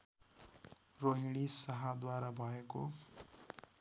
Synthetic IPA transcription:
roɦiɽ̃isʌɦad̪waɾabʱʌeko̰

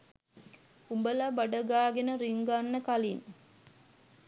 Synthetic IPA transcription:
umbəlabaɖəɡaːɡenəɾiŋɡanːəkalin

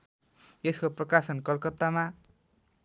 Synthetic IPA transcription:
eskoprʌkasʌnkʌlkʌt̪ːama

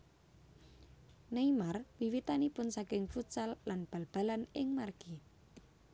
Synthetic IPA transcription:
neimarwiwit̪anipʊnsakɪŋfut͡ʃalːanb̥alb̥a̤lanɪŋmarɡ̥i

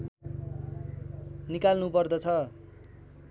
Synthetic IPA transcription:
nikalnupʌrd̪ʌt͡sʰʌ

